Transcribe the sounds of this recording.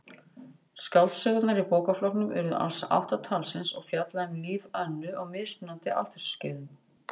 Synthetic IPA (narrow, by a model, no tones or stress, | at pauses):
skaw̪sœɣt̪naɾipoːkaflɔɾknʏmɛ̰ɾʏða̰lsʔa̰wht̪at̪ʰaːlsɪnsɔ̰ɣfjat̪laɪnliːvœnːʏʔɔɣmɪðspɪnːant̪ɪʔa̰ht̪ʏɾ̥scɪːðʏm